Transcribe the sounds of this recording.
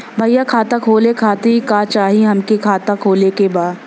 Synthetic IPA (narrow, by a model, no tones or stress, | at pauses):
bʱɐjːakʰaːt̪ãkʰoːlekʰaːt̪ikaːt͡ʃaːɦiɦɐmkekʰaːt̪akʰoːlekebaːd̪